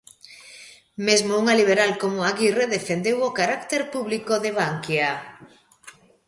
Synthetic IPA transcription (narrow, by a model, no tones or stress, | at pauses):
mezmouŋaliβ̞eɾalkomoaɣireðefend̪ewokaɾakt̪eɾpuβlikoðeβ̞aŋkja